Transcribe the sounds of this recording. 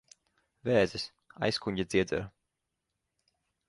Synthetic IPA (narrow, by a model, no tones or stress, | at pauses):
vɛːzis | a̰jskuɲʲɟʲad̪zʲiɛzɛ̰ɾ